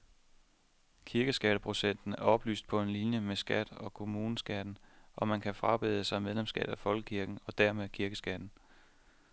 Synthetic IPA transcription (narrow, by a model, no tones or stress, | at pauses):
kʰiɐɡ̥əsɡ̥æɾ̥əpʰʁo̝sen̰d̥n̩æɐɒ̽b̥ly̰ːsd̥̚pʰɒ̽e̝nlinjəmesɡ̥æd̥ɒ̽kʰo̝muːnəsɡ̥æd̥n̩ʔɒ̽mænkʰæfʁɑ̈b̥e̝ðˠəsɑ̈ɪmeð̞ˠlemsɡ̥ɛ̰ːd̥ˠæfɒ̽lɡ̥ə̥kʰiɐɡ̥n̩ɒ̽d̥æɐmeðˠkʰiɐɡ̥əsɡ̥æd̥n̩